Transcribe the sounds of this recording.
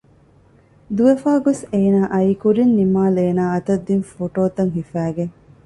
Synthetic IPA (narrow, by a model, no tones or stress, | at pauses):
d̪uʋefaːɡoseːnaːʔɐiːkuɾinːimaːleːnaːɐt̪ɐd̪ːinfoʈoːt̪ɐŋɦifæːɡeŋ